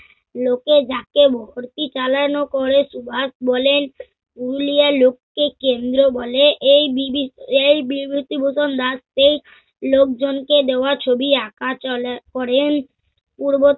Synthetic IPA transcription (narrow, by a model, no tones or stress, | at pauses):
loked͡ʑakebʱoɦoɾt̪it͡ɕalanokoɾeʃubʱasbɔlen | ulialokːekend̪ɾobɔleʔejbibejbibut̪ibosond̪ast̪ej | lok̚d͡ʑonked̪eoat͡ɕʰobiakakɔɾen | puɾbo